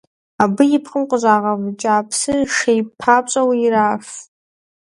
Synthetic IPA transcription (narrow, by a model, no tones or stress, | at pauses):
abɨjipʰχəmqʷʼʊʒʷaːʁavd͡ʒʼaːpʰsɨʂejpʰat͡ʃʷʼawiiɾaf